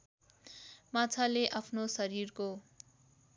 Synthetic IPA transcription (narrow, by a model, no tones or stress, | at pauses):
mat͡sʰaleʔapʰnosʌɾirko